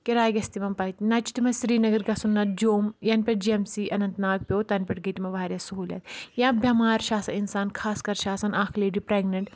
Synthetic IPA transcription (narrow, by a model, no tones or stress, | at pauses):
kiɾaːjɡɐst̪imɐmpɐit̪nɐt͡ʃi̥t̪imɐsɾiːnɐɡɐɾɡɐsunːɐd͡ʒoːmjɐnpʲeʈ̚d͡ʒiemsiːʔɐnɐnt̪naːk̚pʲjoːt̪ɐnpʲeʈɡɐt̪imɐʋaːɾʲjɐsɐɦuːlʲɐ̰t̪jãbʱʲjɐmaːɾʃaːsɐinsaːnkʰaːskɐɾʃaːsɐnaːkʰleːɖipɾeːɡnɐɳʈ